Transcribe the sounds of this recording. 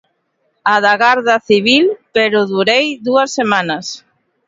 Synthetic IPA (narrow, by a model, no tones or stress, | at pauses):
aðaɣaɾðaθiβ̞ilpeɾʊðuɾejðuɐsːemanɐs